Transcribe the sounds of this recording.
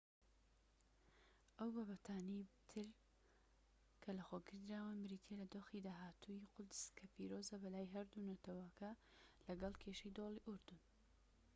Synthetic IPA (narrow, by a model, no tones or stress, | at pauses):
ʔɐwbabɐt̪ʰaːnijt̪ʰɨɾ | kʰɐlɐxoːɡɨɾd̪ɾaːwɐmɨɾit̪ʰelɐd̪oːxid̪aːɦaːt̪ʰujiqʊd̪z̥kʰɐfiɾoːzɐbɐlaːjɦɐɾd̪unɐt̪ʰɐwakɐlɐɡɐlˠkʰeʃɐjd̪olˠiʔʊɾd̪ɨn